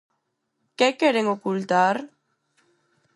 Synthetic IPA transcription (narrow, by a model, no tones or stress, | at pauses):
kekeɾeŋokult̪aɾ